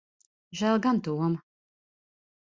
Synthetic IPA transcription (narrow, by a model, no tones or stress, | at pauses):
ʒæːlˠɡant̪uɔm